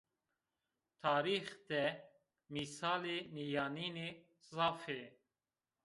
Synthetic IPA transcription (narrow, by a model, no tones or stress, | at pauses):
t̪ʰaːɾiːxt̪ɛ | misaːleːnijaːniːneː | zaːfeː